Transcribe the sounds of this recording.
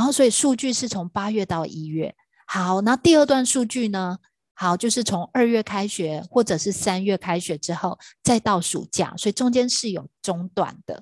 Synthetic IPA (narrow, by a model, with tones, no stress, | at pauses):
swɔ˧˥i˨˩ʂu˥˧t͡ɕy˥˧ʂɻ̩˥˩t͡sʰʊ˧˥ŋpa˥ɥɛ˥˧t̪ɑ˥˩ʊi˧˥ɥɛ̰˥˩ | ha˩˦ʊna˥˧t̪i˥˧ə˥˧t̪wa˥˧nʂu˥˧t͡ɕy˥˩nə˩ | xa˨˩ʊt͡ɕjo˥˧ʊʂ̬ɻ̩˥˩t͡sʰʊ˧˥ŋə˞˥˧ɥɛ˥˩kʰa˥ɪɕɛ˨˩˦xwɔ˥˩ʈ͡ʂɤ˨˩ʂɻ̩˥˩sa˥nɥɛ˥˩kʰa˥ɪʂɻ̩˨˩ʈ͡ʂɻ̩˥xo˥˩ʊt͡sa˥˧ɪt̪ɑ˥˩ʊʂṵ˨˩t͡ɕja̰˥˩swɔ˧˥i˨˩ʈ͡ʂʊ˥ŋt͡ɕjɛ˥nʂɻ̩˥˩jo˨˩ʊʈ͡ʂʊ˥ŋt̪wa̰˨˩nd̪̥ə̰˦